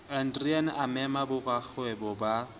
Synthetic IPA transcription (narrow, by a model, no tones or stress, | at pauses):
an̩driɛnamɛmabʊrwak͡xʰʊɛbʊba